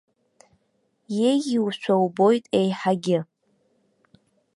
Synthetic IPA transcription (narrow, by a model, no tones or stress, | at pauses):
jejiwʃʷʰowbo̞jtʼejħaɡʲɪ